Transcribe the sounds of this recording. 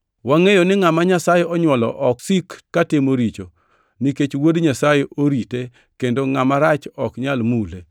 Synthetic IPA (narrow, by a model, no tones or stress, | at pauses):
waŋejonɪŋamaɲasajeʔɔɲwɔlɔʔɔksikːatɪmoɾit͡ʃo | niket͡ʃwodɲasajeʔoɾite | kendoŋamaɾat͡ʃɔkɲalmule